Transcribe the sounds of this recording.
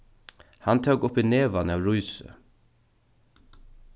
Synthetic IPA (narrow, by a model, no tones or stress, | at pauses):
hant̪ʰœwkʊpineːʋanawɾujsə̰